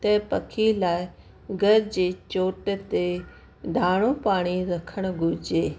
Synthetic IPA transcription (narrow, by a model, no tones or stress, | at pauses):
t̪ɐpɐkʰilaːɪ | ɡʱɐɾd͡ʑeːt͡ɕoːʈt̪e | ɖʱaːɽ̃õpaːɽ̃iɾɐkʰəɽ̃̆ɡʱʊɾd͡ʑeː